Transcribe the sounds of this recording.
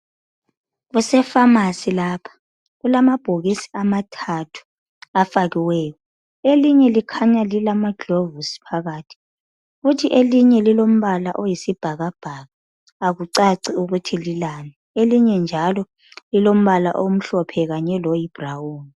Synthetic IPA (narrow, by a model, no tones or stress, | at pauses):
ɣusɛfamasilapʰḁ | ɣulamab̥ʱoɣisi̥amatʰatʰu̥ | afaɣiwɛːkɔ | eliɲɛlikʰaɲalilamaɡ̥ʱovusi̥pʰaɣaːtʰi̥ | futʰiʔeliɲɛlilom̩βalaʔojisib̥ʱaɣab̥ʱaɣaː | ɣuǀaǀiuɣutʰililanɛ | eliɲɛnd͡ʒʱalɔ | lilom̩βala̰ʔom̩ɬɔpʰɛɣaɲɛlɔjib̥ʱrawuːni